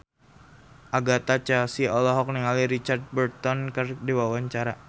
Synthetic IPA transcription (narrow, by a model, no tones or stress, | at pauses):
ʔaɡat̪at͡ʃasiɔlɔɦɔk̚niŋaliɾit͡ʃard̪̚bərt̪ɔnkərdiwawaɲt͡ʃaɾa